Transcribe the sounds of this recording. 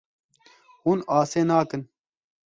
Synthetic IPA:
huːnaːseːnaːkɨn

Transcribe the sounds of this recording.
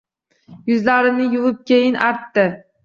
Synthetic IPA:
jʊzlaɾɪnɪjʊvɨp̚kʲʰejɪnʔaɾt̪ːɪ

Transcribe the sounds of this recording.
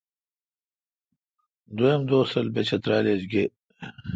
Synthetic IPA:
d̪oemd̪oːsɐlbet͡ɕɐt̪ɾaːled͡ʑɡe

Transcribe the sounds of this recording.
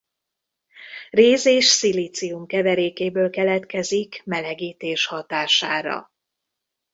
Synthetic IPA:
reːzeːʃsiliːt̪siumkɛvɛɾeːkeːbøːlkɛlɛt̪kɛzikmɛlɛɡiːt̪eːʃhɒt̪aːʃaːɾɒ̰

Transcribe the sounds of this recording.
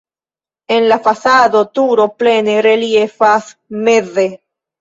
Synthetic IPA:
e̞nlafasado̞t̪uɾo̞ple̞neɾeliefasmeze

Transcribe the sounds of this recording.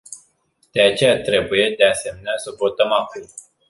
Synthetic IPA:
d̪̥e̞at͡ʃe̞jat̪ɾe̞buje̞d̪e̞ase̞meneasəvo̞t̪əmakum

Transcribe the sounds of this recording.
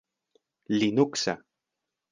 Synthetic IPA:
linuksa̰

